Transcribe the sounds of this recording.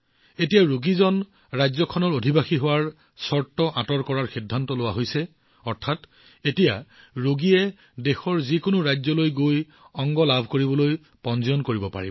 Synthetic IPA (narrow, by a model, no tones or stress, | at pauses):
etijaɹoɡizɔn | ɹajzɔkʰɔnɔɹodʱibaxiɦʊwaɹ | sɔɹtːɔʔatɔɹkɔɹaɹxidʱːantɔlʊwaɦojsɛ | ɔɹtʰat | etija | ɹuɡiɛ | dexɔɹzikʊnʊɹajzɔlojɡoj | ɔŋɡɔlabʱkoɹibɔloj | pɔnzɔjɔnkoɹibɔpa̰ɹḭ